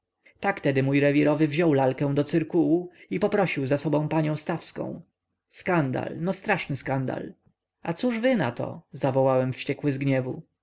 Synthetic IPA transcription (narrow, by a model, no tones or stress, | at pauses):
t̪akt̪ɛd̪ɘmujɾɛvʲiɾɔvɘvʑɔwlalkɛ̃w̃d̪ɔt̪sɘɾkuwuipɔpɾɔɕiwzasɔbɔ̃paɲɔ̃w̃st̪afskɔ̰̃w̃ | skand̪a̰lnɔst̪ɾaʂnɘskand̪a̰l | at̪suʐvɘnat̪ɔ̰zavɔwawɛmfɕt͡ɕɛkwɘzɡɲɛvu